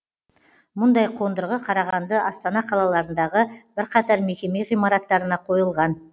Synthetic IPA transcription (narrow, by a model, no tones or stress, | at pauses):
mʊnd̪ɑjqʰo̞nd̪əɾʁəqʰɑɾɑʁɑnd̪əʔɑst̪ɑnɑqʰɑlˠɑlˠɑɾənd̪ɑʁəb̥ɪɾqʰɑt̪ɑɾme̞kʲe̞me̞ʁijmɑɾɑt̪ːɑɾənɑqʰo̞jəlˠʁɑn